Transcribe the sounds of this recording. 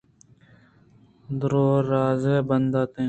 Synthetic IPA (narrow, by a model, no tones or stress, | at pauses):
d̪ɾoːɾaːzeːbənd̪aːt̪ẽː